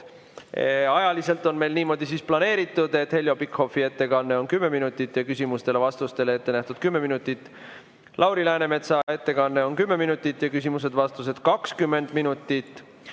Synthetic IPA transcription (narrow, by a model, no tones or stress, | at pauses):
ɑjɑlise̞lt̪ˑo̞nme̞jlniːmo̞d̪̥isisplɑne̞ːɾit̪ːˑud̪̥e̞t̪ːhe̞lʲjo̞pikho̞fiet̪ːe̞kɑnːe̞o̞nkymːe̞minut̪ːˑit̪ːˑjɑkysʲimust̪e̞le̞vɑst̪ust̪e̞leet̪ːe̞næht̪ud̪̥kymːe̞minut̪ːˑit̪ːˑ | lʔɑwɾilæːneme̞t̪sɑe̞t̪ːe̞kɑnːe̞o̞nkymːe̞minut̪ːˑit̪ːˑjɑkysʲimus̬e̞d̪̥vɑst̪use̞d̪̥kɑkskymːe̞nd̪̥minut̪ːˑit̪ːˑ